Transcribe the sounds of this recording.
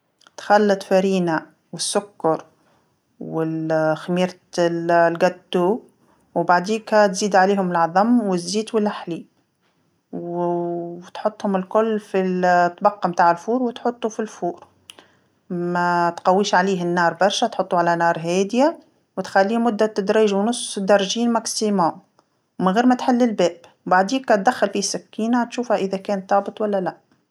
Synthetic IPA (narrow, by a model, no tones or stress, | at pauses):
t̪xalːɑt̪faɾiːna | wɪsːʊkːɑɾˤ | wɪxamiːɾ | lɡæd̪uː | wbaʕd̪iːkat̪ziːd̪ʕaleːhʊmɪlʕɑðˤɑmːwɪzːiːt̪wɪlʔaħliː | w | t̪ħʊt̪ˤːhʊmɪlkʊlːfilt̪ːbɑqːɑmt̪aːʕɪlfuːɾwɪt̪ħʊt̪ˤːufilfuːɾ | mæt̪qɑwːiːʃʕaliːɦɪnːɑːɾˤbɑɾˤʃæt̪ħʊt̪ˤːuʕalænɑːɾˤɦɛːd̪ɪja | wt̪xælːiːmʊd̪ːat̪ːad̪ɾiːʒwnʊsˤd̪ɑɾˤʒiːnmɑksima | mɪnɣiːɾmæt̪ħɪlːɪlbɛːbwbaʕd̪iːkːɑt̪̚d̪æxːalfisɪkːiːnat̪ʃuːfhæʔɪðækɛːnt̪ˤːɑːbət̪ˤwælːælæʔ